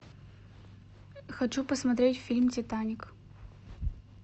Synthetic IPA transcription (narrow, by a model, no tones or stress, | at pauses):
xɐt͡ɕupəsmɐt̪ɾʲetʲfʲilʲmtʲɪt̪anʲɪk